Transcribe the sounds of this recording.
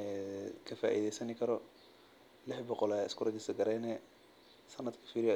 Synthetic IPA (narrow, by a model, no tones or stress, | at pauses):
ɛkʰɐfa̰ːʔḭːðɛjsɐnɪkʰɐɾɔ | lɪħbɔqɔlaɪskʊɾɐd̪ɪsɐɡɐɾɛːnɛ | sɐnːɐd̪kʰɐ̥fiːɾɪjɔ